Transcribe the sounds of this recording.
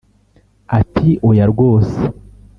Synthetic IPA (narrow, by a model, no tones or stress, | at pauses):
atʰiʔojaɾɡo̞ːse̥